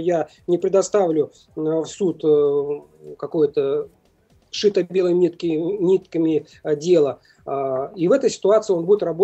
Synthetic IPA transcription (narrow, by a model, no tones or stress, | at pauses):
ja | nʲɪpɾʲɪd̪ɐst̪avlʲʊ | fsut̪ | kɐko̞jət̪ə | ʂɨt̪əbʲe̞lˠəmʲit̪kʲnʲit̪kəmʲɪ | dʲe̞lˠə | ivɛt̪əjsʲɪ̥t̪ʊat̪sɨɪo̞nbudʲɪt̪rɐbo